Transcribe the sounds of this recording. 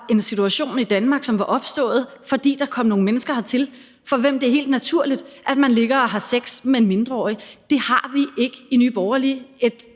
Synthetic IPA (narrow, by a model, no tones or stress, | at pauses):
e̝nsit͡sʰuæɕo̝̰ːnid̥ænmɑ̈ɡ̥sɒ̽mʋɑ̈ʔɒ̽b̥sd̥ɔ̰̽ːð̞̩ˠfɒ̽d̥ḭːd̥ɑ̈kʰɒ̽m̰no̝ːŋ̩menəsɡ̥ɐhɑ̈t͡sʰe̝l | fɒ̽ʋem̰d̥e̝æɐɦḛːld̥næt͡sʰuɐ̰lid̥ʔæd̥mænle̝ɡ̥ɐɒ̽ɦɑ̈seɡ̥smeenme̝nd̥ʁɐɒ̰ːjəd̥e̝hɑ̈ʋiʔe̝ɡ̥əiny̰ːb̥ɒʊɐlie̝d̥